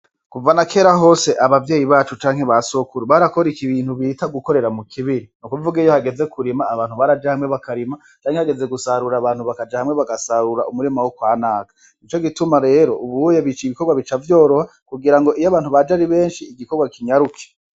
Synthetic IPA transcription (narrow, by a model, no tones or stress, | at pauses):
kuvanakʰe̞ːɾaɦo̞ːse̞ʔaβavjeːjiβaːt͡ʃut͡ʃaːŋ̥he̞βasokuɾuβaɾakoɾikiβiːnhuβitaɡuko̞ɾeɾamukʰiβiɾinukuvuɡejohaɡe̞ze̞kuɾimaːβaːnhuβaɾad͡ʒahamŋe̞βakʰaɾima | t͡ʃaːŋhehaɡe̞ze̞ɡusaɾuɾaβaːnhuβakad͡ʒahamŋe̞βaɡasaɾuɾaʔumuɾimawokwaːnaːɡḁ | nit͡ʃo̞ɡitumaɾe̞ːɾo̞ʔuβujeβit͡ʃiiβiko̞ɾɡwaβit͡ʃavjo̞ːɾo̞ha | kuɡiɾaŋɡo̞ʔijaβaːn̥uβad͡ʒaɾiβe̞ːnʃiːɡikoɡwakʰiɲaɾukʰe̥